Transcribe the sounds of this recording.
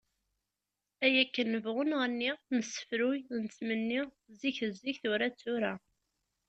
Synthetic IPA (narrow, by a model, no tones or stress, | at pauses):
æjækːənːəvʁʊnʁənːinəsːə̥fɾujnt͡sːmənːi | ziçθəzːiçθʊɾæt͡sːʊɾæ